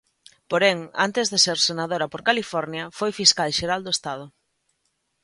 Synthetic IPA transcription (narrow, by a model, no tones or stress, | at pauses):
poɾeŋa̰nt̪ezðeseɾsenað̞oɾɐpoɾkalifɔɾnjɐfojfiskalʃeɾald̪oest̪að̞ʊ